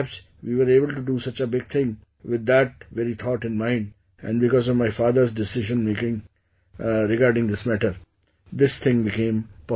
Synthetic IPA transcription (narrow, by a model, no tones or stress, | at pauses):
ps | ʋiːʋəɾeːbəlʈuɖusʌt͡ʃəbɪɡ̚t̪ʰɪ̃ŋ | ʋɪd̪ːæʈ̚ʋɛɾit̪ʰɔːʈɪ̃nmãɪ̃ɳɖ | ɛ̰̃ɳɖbɪkɔːzɔʋmaɪfaːd̪əɾzɖɪsɪʒə̃nmeːkɪ̃ŋ | ɾɪɡaːɾɖɪ̃ŋd̪ɪsmæʈəɾ | d̪ɪst̪ʰɪ̃ŋbɪkẽːmpɔ